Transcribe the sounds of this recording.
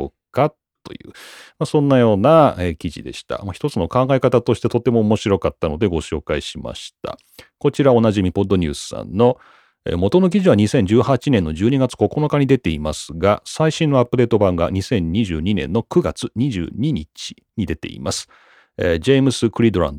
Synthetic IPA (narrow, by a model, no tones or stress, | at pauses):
okːat̪ː | o̞̰jɯ̟̰ːmasõ̞nːajo̞ːnaekʲiʑḭd̪e̞̰ɕi̥t̪a̰maçi̥t̪ot͡sɨno̞kãŋɡaekat̪at̪o̞ɕi̥t̪e̞t̪o̞t̪e̞moːmo̞ɕiɾo̞kat̪ːano̞d̪e̞ɡo̞ɕo̞ːkaiɕima̰ɕi̥t̪a̰ | ko̞t͡ɕiɾao̞naʑimʲipo̞d̪ːo̞ɲ̟ʲɨːsɨ̥sã̰nːo̞ | ḛmo̞t̪ono̞k̬ʲiʑiβ̞aɲ̟isẽ̞ɲ̟d͡ʑɨːhat͡ɕinẽ̞nːo̞d͡ʑɨːɲ̟iɡat͡sɨ̥ko̞ko̞no̞kaɲ̟id̪e̞t̪eimasɨɡasaiɕĩnːo̞apːɯ̟d̪e̞ːt̪o̞bãŋɡa̰ɲ̟isẽ̞ɲ̟ɲiʑɨ̰ːɲ̟inẽ̞̰nːo̞kɯ̟ɡa̰t͡sɨɲ̟iʑɨ̰ːɲ̟iɲit͡ɕi̥ | ɲ̟id̪e̞t̪e̞̰ḭmasɨ̥ | ed͡ʑemɯ̟sɨkɯ̟ɾʲid̪o̞ɾã̰nd̪o